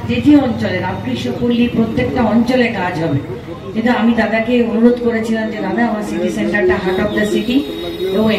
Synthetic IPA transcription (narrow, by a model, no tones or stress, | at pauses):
d̪it̪iɔnt͡ɕoleɾamkɾiʃokolːipɾot̪ːekʈaɔnt͡ɕoleɾkad͡ʑʱɦɔbe | kint̪uamid̪ad̪akeunuɾod̪koɾet͡ɕʰilamd͡ʑed̪ad̪aamaɾsiʈiseɳʈaɾʈaɦaʈat̪̚d̪asiʈi | oõ